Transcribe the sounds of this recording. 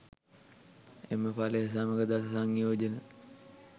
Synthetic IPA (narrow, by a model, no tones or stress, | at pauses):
eməpaleɦɐs̬aːməkəd̪assaːŋːijoːd͡ʒənə